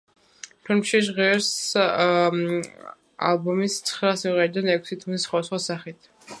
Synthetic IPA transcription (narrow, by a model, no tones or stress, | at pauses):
pʰilmʃiʃ̬ʁiɛɾs | a̰lˠbɔmist̪sʰχɾasiʁɛɾid̪anɛkʷʰsit̪ʰmisχwad̪sχwasaχit̪ʰ